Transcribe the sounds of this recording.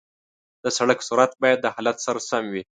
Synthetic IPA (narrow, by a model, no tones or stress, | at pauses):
d̪̥əsaɽəksuɾat̪bɑjad̪̚ːəhalat̪saɾasamwi